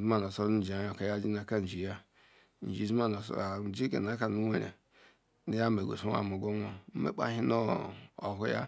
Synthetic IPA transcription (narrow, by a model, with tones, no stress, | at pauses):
zma˦˨n˨o˨so˦ɾu˦˨d͡ʒi˨a˨jo˨ka˨ja˦d͡ʒi˦na˨ka˦n̩˨d͡ʒi˨ja˦ | n̩˨d͡ʒi˨zi˦a˦na˨sa˨n̩˨d͡ʒi˦ɡḛ˨na˨˦ka˨nu˦we˨ɾḛ˨ | ni˦ja˦me˨ɡʷo̰˨su˦a̰˦˨mu˨ɡo˦ŋ˦o˦m̩˦mḛ˦k͡pa̰˦ɦi˦no˦o̰˨ɦu˦ja̰˦